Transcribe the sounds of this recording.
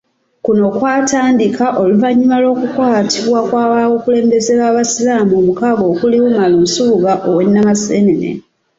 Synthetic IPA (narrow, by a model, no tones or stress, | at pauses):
kuno̞kwaːtaːndikʰaʔo̞luvaɲːumalo̞ːkukwaːtʰiβwakwaːβawokule̞ːmbe̞ze̞βaːβasilaːmomukaɡo̞ːkuliwumaloːnsuːɡaʔowe̞nːamasenenḛ